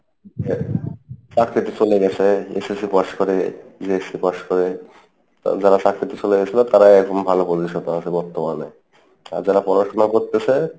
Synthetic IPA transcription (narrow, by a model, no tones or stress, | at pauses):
e | pakʰɾit̪it͡ɕoleɡɛt͡ɕʰeḛsesipaʃkoɾed͡ʑeesipaʃkoɾḛ | d͡ʑaɾapakɾit̪it͡ɕoleɡɛt͡ɕʰilat̪aɾaɛɾkʰombʱalopoɾiʃɔt̪oat͡ɕʰebɔɾt̪omane | a̰ɾd͡ʑaɾapɔɾaʃonakoɾt̪et͡ɕʰe